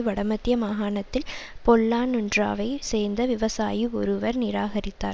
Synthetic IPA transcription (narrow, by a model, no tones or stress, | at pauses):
ɯʋɐɽɐmɐt̪ːjɐmaːɣaːɳɐt̪ːɪlpɔlːaːnʊndra̰ːʋɐɪseːɾnd̪ɐʋɪʋɐsa̰ːjiɔɾɯʋɐɾnɪɾaːɣɐɾɪt̪ːa̰ːɾ